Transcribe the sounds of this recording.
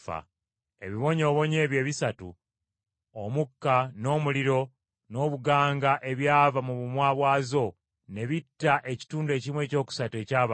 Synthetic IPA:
a̰ | e̞̰βiβo̞ɲo̞ːβo̞ɲe̞ːβje̞ːβisatṵ | omukːano̞ːmuliɾo̞ | no̞ːβuɡaːŋɡaʔe̞βjaːvamuβumwaːβwaːzo̞ | ne̞βitːaʔe̞ci̥tuːndue̞ːcimwe̞ːco̞ːku̥satue̞ːcaːβa

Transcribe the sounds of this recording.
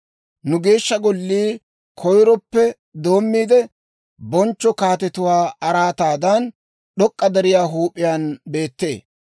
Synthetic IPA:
nʊɡe̞ːʃːɐɡɔlːiː | kʰɔjɾɔpːɛ | d̪o̞ːmːiːd̪ɛ | bɔnt͡ʃːɔkaːt̪ɛt̪ʊwaːɐɾaːt̪aːd̪ɐn | ɗɔkʼːɐd̪ɛɾɪjaːɦuːpʼːɪjaːnbe̞ːt̪ːe̞ː

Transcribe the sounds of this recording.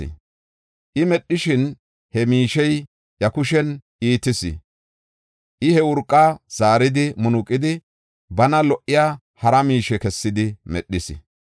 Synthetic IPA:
ɪ̰ | ʔɪmɛɗːɪʃɪn | hɛmiːʃɛj | jɐkʊʃɛnʔiːt̪ːɪsɪ̰ | ʔɪhɛwʊɾkʼːaːz̥aːɾɪd̪ɪmʊnʊkʼːɪd̪ɪ | bɐnɐlɔʔɪjaː | hɐɾɐmiːʃɛkɛsːɪd̪ɪmɛ̰ɗːɪsɪ̰

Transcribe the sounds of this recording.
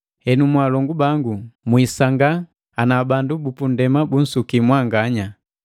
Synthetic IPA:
hɛnumwalɔŋɡubaŋɡumwisaŋɡa | anabandubupundɛmabun̩sukimwaŋɡaɲa

